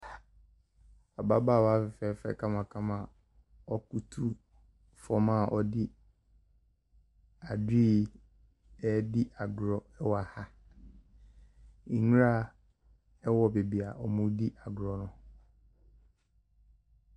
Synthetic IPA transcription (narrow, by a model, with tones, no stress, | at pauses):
a˨ba˦baː˦˨wɔ˦a˦fɪ˨fɛ˨˦fɛ̰˨kʰã˦mã˨kʰã˦mã˨ | ɔ˦ku˦tʰu˦ | fɔ˨mã˦˨ʔɔ˦dɪ˦ | a˨di˦ | ɛ˦di˦ʔa˨ɡɾɔ˨ɛ˦wɔ˨a˨ha˦˨ | ŋ˦ɾa˦˨ | ɛ˦wɔ˨be˨bi˨a˨ʔɔ˨mũ˦di˦ʔa˨ɡɾɔ˨nʊ̃˨